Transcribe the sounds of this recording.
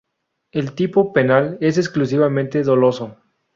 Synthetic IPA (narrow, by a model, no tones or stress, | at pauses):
elt̪ipope̞nale̞s̬eksklus̬iβamẽnt̪eðolo̞so